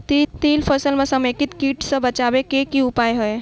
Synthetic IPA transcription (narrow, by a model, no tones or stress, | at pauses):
t̪it̪iːlpʰəsəlmesəmekit̪kiːʈsə̃bət͡ʃabekekiʊpajɦəj